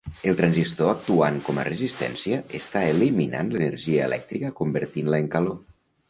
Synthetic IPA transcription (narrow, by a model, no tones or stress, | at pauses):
əlˠt̪ɾanzist̪oak̚t̪uaŋkɔmə̰rəzist̪ɛ̰nsiəʔest̪aelimina̰nlənəɾʒiəelʔɛ̰k̚t̪ɾikəkumbəɾt̪inləeŋkəlo